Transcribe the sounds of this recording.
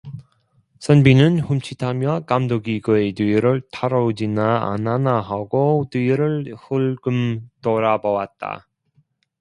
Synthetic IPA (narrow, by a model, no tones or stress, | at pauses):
sʰʌnbinɯnɸumt͡ɕʰitʰamjʌkamdoɡiɡɯetiɾɯɭtʰaɾʌud͡ʑina̰ːnanaɦaɡotiɾɯɭhuɭɡɯmtoɾabʌwat̚t͈a̰